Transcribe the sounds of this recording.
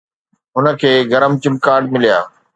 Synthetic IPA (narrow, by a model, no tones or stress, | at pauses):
ɦʊnə̆kʰeːɡɐɾəmt͡ɕɪ̃m̚kaːɾɖ̚mɪlija̰ː